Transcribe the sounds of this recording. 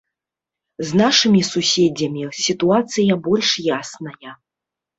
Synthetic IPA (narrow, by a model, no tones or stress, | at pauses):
znaʂɨmʲisusʲɛd͡zʲɐmʲisʲit̪uat̪sɨjɐbɔlʲʂjasnɐjɐ